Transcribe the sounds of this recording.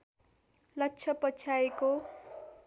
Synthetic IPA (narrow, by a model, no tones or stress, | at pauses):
lʌkt͡sʰʌpʌt͡sʰaeko